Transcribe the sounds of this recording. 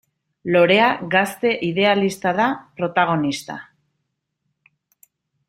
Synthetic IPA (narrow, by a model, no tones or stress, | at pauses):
lo̞ɾe̞aɣast̪e̞ʔiðe̞alist̪aðapɾo̞t̪aɣ̞o̞nist̪a̰